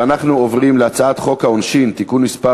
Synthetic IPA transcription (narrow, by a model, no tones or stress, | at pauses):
anaχnuovʁimleat͡saat̪χo̞khaonʃint̪ikunmispa